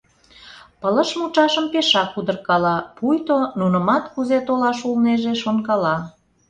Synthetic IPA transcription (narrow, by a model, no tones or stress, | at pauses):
pələʃmut͡ʃɑʃəmpeʃɑkud̪ərkɑlɑpujt̪onunəmɑt̪kuzet̪olɑʃulneʒeʃonkɑlɑ